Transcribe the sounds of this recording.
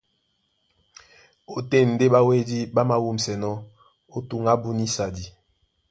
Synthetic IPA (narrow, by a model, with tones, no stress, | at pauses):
o˨te˦˨n̩˨de˦ɓa˦we˦di˦ɓa˦ma˦wu˦m̩˨sɛ˨nɔ˦ | o˦tu˨ŋa˦bu˦ni˦sa˨di˨